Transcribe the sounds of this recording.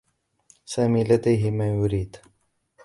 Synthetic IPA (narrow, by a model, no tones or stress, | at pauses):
saːmiːlad̪ajɦɪmaːjʊɾiːd̪